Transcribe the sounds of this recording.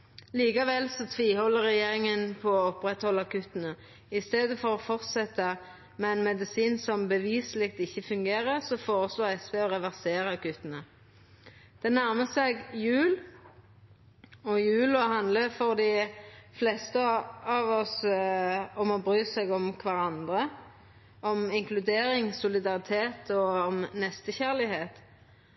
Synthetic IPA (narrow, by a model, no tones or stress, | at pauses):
liːkɑʋɛlsɔt̪ʰʋiːhɔlːəɾɛjeːʁɪŋənpʰɔɔɔpɾɛt̪hɔlːɑkʉt̪ːənə | ɪst̪eːd̪əfɔʁɔfɔʁt̪sɛt̪ːə | mɛɛnmɛd̪ɪsiːnsɔmbəʋiːslɪk̚t̪ɪçːəfʉŋɡeːɾəʁsɔfoːʁəsloːʁɛspeːɔɾɛʋæʁseːɾəkʉt̪ənə | d̪̥ɛnæɾməsɛɡjʉːl | ɔjʉːlɔɦɑnd̪ləfɔʁd̪ɪflɛst̪əɑʋɔs | ɔmɔbʁyːsɛɡɔmkʰʋɑʁɑnd̪ʁə | ʔɔmɪŋklʉd̪eːɾɪŋsʊlɪd̪ɑʁɪt̪ʰeːt̪ʰɔɔmnɛst̪əçæʁlɪheːt̪